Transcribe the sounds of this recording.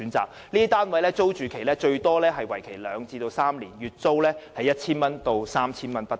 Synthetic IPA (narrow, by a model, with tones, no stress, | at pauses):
yː˨˥nt͡sa̰ː˨k̚ | liː˥t̪aː˥nwɐ˨˥jlɛː˥t͡so˥wt͡ʃyː˨kʰe˨˩jlɛː˥t͡ʃɵ˧ɥt̪ɔː˥lɛː˥ɦɐ˨jwɐ˨˩jkʰe˨˩jlœː˨˧ŋt͡siː˧t̪o˧wsaː˥mliː˨˩njyː˨˩t̚t͡so˥wlɛː˥hɐ˨˧jɐ˥t̚t͡sʰiː˥nmɐ˥nt̪o˧wsaː˥mt͡sʰiː˥nmɐ˥npɐ˥t